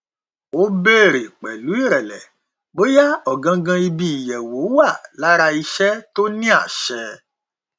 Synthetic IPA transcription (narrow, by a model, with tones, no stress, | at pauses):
o˦be˦˨ɾe˨k͡pɛ˨lu˨˦i˦˨ɾɛ˨lɛ˨ | ɡ͡bo˦ja˦ɔ˦˨ɡã˧ɡã˧i˧bĩ˧i˨jɛ˨wo˨˦wa˦˨la˦ɾa˧i˧ʃɛ˦to˦nĩ˦a˦˨ʃɛ˧˦